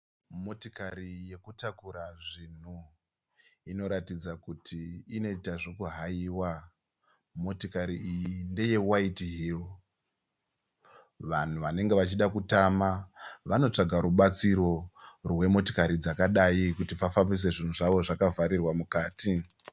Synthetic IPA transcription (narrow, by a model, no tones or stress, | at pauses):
mo̞tikaɾije̞kutakuɾaʐin̤u | ino̞ɾatid͡zakutʰiːno̞itaʐo̞kuɦajiːwa | mo̞tikaɾiːjinde̞je̞waitiɦil | ʋan̤uʋane̞ŋɡe̞ʋat͡ʃiɗakutamaʋano̞t͡ʂaɡʱaɾuɓat͡siɾo̞rwe̞mo̞ti̥kaɾid͡zakaɗaikutipafambis̬e̞ʐin̤uʐaʋo̞ʐakavaɾirwamukaːti